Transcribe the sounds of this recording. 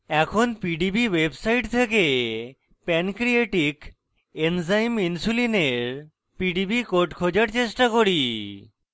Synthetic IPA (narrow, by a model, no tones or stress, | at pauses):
ɛkʰonpiɖibiwebsajʈt̪ʰeke | pɛnkɾieʈik | enzajminsulineɾ | piɖibikoʈkʰod͡ʑaɾt͡ɕesʈakoɽi